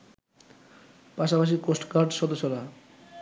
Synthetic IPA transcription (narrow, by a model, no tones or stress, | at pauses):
paʃapaʃ̬ikosʈkaɾɖʃɔd̪oʃoɾa